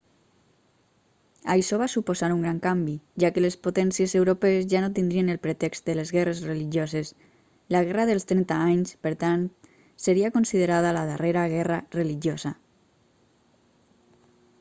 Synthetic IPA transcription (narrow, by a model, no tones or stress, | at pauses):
ajʃɔβasupozaɾuŋɡɾaŋkambiʒakəlespot̪ɛnsiezewɾopeːzʒanot̪ind̪ɾienəlˠpɾet̪ɛkst̪̚d̪əlezɣɛrezreliʒjozes | laɣɛraðəlˠst̪ɾɛnt̪aaɲspəɾt̪ant̪ | səɾiakonsiðəɾaðalaðəreɾaɣɛrarəliʒjoza